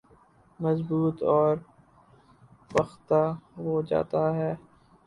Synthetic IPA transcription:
mɐzbuːt̪ɔːɾ | pɐxt̪aɦod͡ʒa̰ːt̪aɦɛː

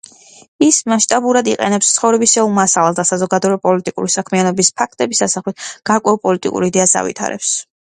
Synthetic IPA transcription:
ismaʃt̪ʼabuɾad̪iqʼɛ̰nɛpst̪sʰχɔvɾɛbisɛulˠmasalalsd̪asazɔɡad̪ɔɾɛpʼɔlit̪ʼikʼṵɾisakʰmianɔbispʰak̚ʰt̪ʼɛbisasaχlit̪ʰɡ̥aɾkʼwɛulˠpʼɔlit̪ʼḭkʼṵɾid̪ɛasa̰vḭt̪ʰa̰ɾɛ̰ps

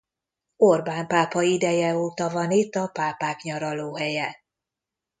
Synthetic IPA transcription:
orbaːmpaːpɒid̪ɛjɛoːt̪ɒvɒnit̪ːɒpaːpaːkɲɒɾɒloːɦɛjɛ

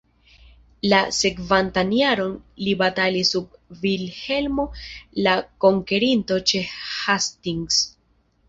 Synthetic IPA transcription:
lase̞kvantaniaɾo̞nlibatalisub̚vilhe̞lmo̞lako̞ŋke̞ɾinto̞t͡ʃe̞hastiŋɡs

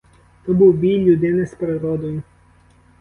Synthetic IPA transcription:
t̪ɔbuwbʲilʲlʲud̪ɪnɪspeɾed̪ɾɔd̪ɔjʊ

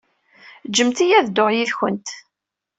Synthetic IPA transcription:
d͡ʒəmt̪ijæðd̪oʁjiðçənt̪

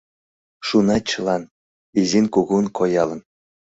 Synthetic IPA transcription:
ʃunɑt͡ɕəlɑn | izinkuɣunkʰojɑlən

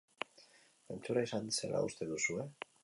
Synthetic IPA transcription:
ent͡s̪uɾaisansḛla̰ṵst̪e̞ðusue̞

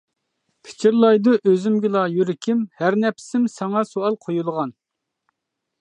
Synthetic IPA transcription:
pʰɪ̥t͡ʃʰiɾlˠɑjd̪uʔøzymɡʲɪlˠɑjyɾɪkʲʰɪmhæɾnɛpʰsɪmsɑŋɑsoɑlˠqʰojulˠʁɑn

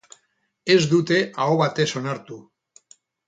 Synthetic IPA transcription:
e̞zd̪ut̪e̞ʔaoβat̪e̞so̞naɾt̪u

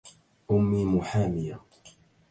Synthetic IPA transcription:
ʔʊmːiːmʊħaːmɪja

